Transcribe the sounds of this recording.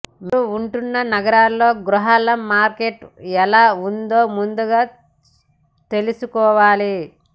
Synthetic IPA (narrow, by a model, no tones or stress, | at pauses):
muuɳʈunːɐnɐɡɐɾaːlːo̞ːɡɾuɦaːlɐmːaːɾkeʈɛlaːund̪oːmund̪uɡaː | t̪e̞lusukɔːʋaːli